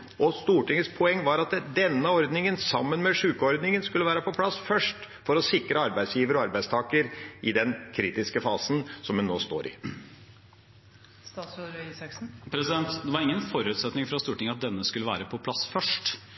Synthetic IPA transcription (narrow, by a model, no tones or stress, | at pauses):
ʔɔst̪uːʈɪŋəspʰɔɛŋːʋɑɾɑt̪d̪ɛnːəɑɔɾd̪nɪŋənsɑmːənmɛʂʉːkəɔɾd̪nɪŋənskʉlːəʋæːɾəpɔpʰlɑsfœʂʈ | fɔɾɔsɪkɾəɑɾbæɪd̪sjiːʋəɾɔɑɾbæɪst̪ʰɑːkəɾʔɪd̪ɛnkʰɾiːt̪ɪskəfɑ̰ːsn̩sɔmhʉnːoːst̪o̰ːɾʔɪ̰ | st̪ɑːsɾisɑksn̩pʰɾɛsɪd̪ɛnt̪d̪ɛʋɑɾɪŋːənfɔɾʉːt̪sɛt̪nɪŋfɾɑst̪uːʈɪŋəɑt̪̚d̪ɛnːəskʉləʋæ̰ːɾəpʰɔpʰlɑsfœʂʈ